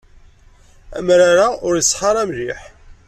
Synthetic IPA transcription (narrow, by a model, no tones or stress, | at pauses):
æ̰mɾaɾaʔʊɾəsˤːħɑɾˤæmliħ